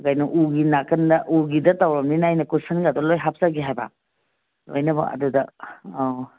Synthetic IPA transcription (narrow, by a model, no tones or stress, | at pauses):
ɡajnɐʔuɡinakɐndɐʔuɡidɐtawɾɐmninajnɐkusɐnɡadolojɦap̚zaɡiɦajba̰ | lo̰jnɐbɐ̰ɐ̰dudɐ